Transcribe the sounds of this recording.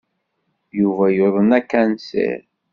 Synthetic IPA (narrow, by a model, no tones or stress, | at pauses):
juvæjoðˤənækːænsḛɾ